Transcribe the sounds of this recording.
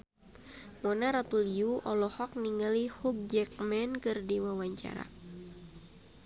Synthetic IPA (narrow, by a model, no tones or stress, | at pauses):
mɔnaɾat̪uliuʔɔlɔhɔk̚niŋalihuk̚d͡ʒɛk̚mɛnkɨrdiwawaɲt͡ʃa̰ɾa̰